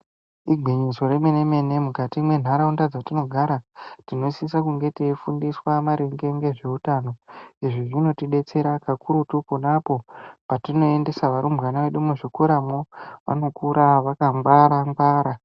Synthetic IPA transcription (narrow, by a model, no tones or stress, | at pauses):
iɡʱeɲizo̞remene̞me̞ne̞mukatimwe̞n̤aɾaundad͡zatino̞ɡʱaɾatino̞sisakuŋɡe̞tifundiswamaɾeŋɡe̞ŋɡe̞ʐe̞utaːno̞iʐiʐino̞tiɗe̞t͡se̞ɾakakuɾutupunapo̞patino̞ende̞saʋaɾumbɣanaʋeɗumuʐikuɾamoʋa̰no̞kuɾaʋakaŋɡwaɾaŋɡwaːɾa